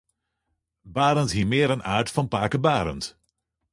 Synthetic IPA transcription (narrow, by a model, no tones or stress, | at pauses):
baːɾəntɦiːmɪːɾənʔa̰ːɹtfɑnpaːkəbaːɾə̰nt